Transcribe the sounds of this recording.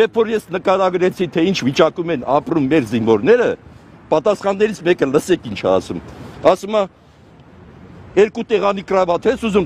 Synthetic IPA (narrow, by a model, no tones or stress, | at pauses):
jɛpʰfɔɾjɛsnəkɑɾɑɡɾɛt͡sʰit̪ʰɛint͡ʃʰvit͡ʃɑkumɛnɑpɾumːɛɾzinvɔɾnɛɾəpɑt̪ɑsχɑnːɛɾit͡sʰmɛkələsɛkʰint͡ʃʰɛ̰ɑ̰sumɑsumɑ | ɛɾkut̪ɛʁɑnikrɑvɑt̪ʰhɛsuzum